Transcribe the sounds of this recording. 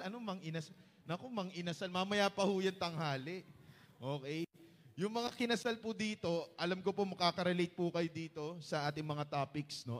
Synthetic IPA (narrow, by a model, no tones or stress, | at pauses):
ɐnomɐŋɪnɐs | nɐkomɐŋɪnɐsalmɐmɐjapɐhujɐnt̪ɐŋhaːlɛʔʔo̞ːkɛj | jʊŋmɐŋakɪnɐsalpʊd̪iːt̪o̞ʔɐlamkopomɐkaːkɐɾɛlejt̪̚pukɐjod̪iːt̪o̞sɐʔaːt̪ɪŋmɐŋat̪aːpɪksno̞